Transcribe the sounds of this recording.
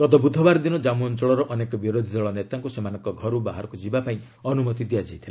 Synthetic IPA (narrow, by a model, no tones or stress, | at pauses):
kɔd̪ɔbud̪ʱːɔbaɾd̪inɔd͡ʒamuɔnt͡ʃɔɭɔɾɔʔɔnekɔbiɾod̪ʱid̪ɔɭɔnet̪aŋkusemanɔŋkɔɡʱɔɾubaɦaɾɔkud͡ʒibapaĩ | ɔnumɔt̪id̪ijad͡ʒajt̪ʰila